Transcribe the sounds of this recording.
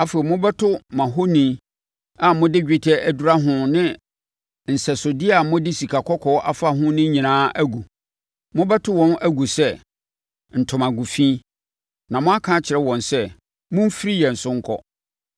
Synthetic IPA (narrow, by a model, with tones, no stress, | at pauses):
a˦fe˨i˨mʊ̃˦bɛ˦tʰʊ˦mã˨ɦo˦nĩ˨˦ | a˦mʊ̃˦dɪ˦d͡ʑᶣɪ˦tʰɛ˦ʔæ˨du˦ɾa˦ɦʊ̃˦nɪ̃˦ | n̩˨sɛ˨sʊ˨dɪ˦a˨mʊ̃˦dɪ˦si˨kʰa˨kʰɔ˦kʰɔ˨˦ʔa˦fa˦ɦʊ̃˦nɪ̃˦ɲĩ˨nãː˦ʔæ˦ɡu˨ | mʊ̃˦bɛ˦tʰʊ˦wɔ̃˦næ˦ɡu˨sɛ˦ | n̩˨tʰʊ̃˨mã˨ɡu˨fĩ˦ | nã˨mʊ̃˦a˦kʰã˦t͡ɕʰɪ˨ɾɛ˦wɔ̃˨nsɛ˦ | mʊ̃˦m̩˦fi˦ɾi˦jɛ˨n̩˨sʊ˦ŋ̩˦kʰɔ̰˦